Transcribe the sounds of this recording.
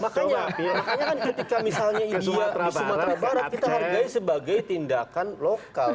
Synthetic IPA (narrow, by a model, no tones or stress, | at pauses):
makaɲamakaɲakankət̪ikamisalɲaiiadisumaɾabaɾat̪̚kit̪aɦarɡaisəbaɡajt̪indakanlokall